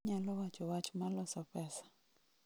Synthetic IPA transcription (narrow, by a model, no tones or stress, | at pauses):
ɲalɔwat͡ʃɔwat͡ʃmalɔsɔpɛsḁ